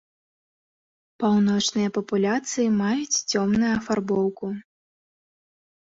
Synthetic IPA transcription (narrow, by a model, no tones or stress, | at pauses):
pawn̪ɔt͡ʂnɨjɐpɐpulʲat̪sɨjimajut͡sʲt͡sʲɔmnujuɐfarbɔwku